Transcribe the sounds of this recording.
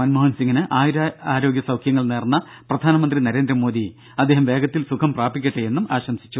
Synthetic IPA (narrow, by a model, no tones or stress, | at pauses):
mɐnmoːɦɐnsiŋːinɨʔaːjiɾaaːɾo̞ːɡʲjɐsɐwkʰjɐŋːɐɭneːrnːɐ | prɐd̪ʱaːnɐmɐnd̪rinɐɾeːnd̪ɾɐmo̞ːd̪i | ɐd̪ːe̞ːɦɐmʋe̞ːɡɐt̪ːilsukʰɐmpraːbikʲːɐʈːeje̞nːumaːɕɐmsi̥t͡ɕːu